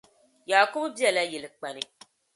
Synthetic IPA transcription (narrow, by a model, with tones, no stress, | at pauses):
jaː˨kʊ˦bbi˦ɛ˦˨la˦jɛ˨lɨ˨k͡pa˨nɨ˨